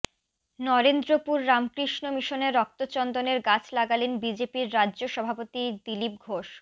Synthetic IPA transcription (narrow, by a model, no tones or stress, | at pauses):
nɔɾend̪ɾopuɾːamkɾiʃnomiʃoneɾːɔk̚t̪ot͡ɕɔnd̪oneɾɡat͡ɕʰlaɡalenbid͡ʑepiɾːadːʑoʃɔbʱapot̪id̪ilip̚ɡʱoʃ